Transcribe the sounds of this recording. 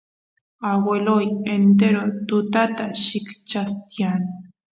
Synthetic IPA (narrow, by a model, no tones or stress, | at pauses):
awelojent̪̬eɾot̪ʊt̪at̪aʃɪkt͡ʃast̪jan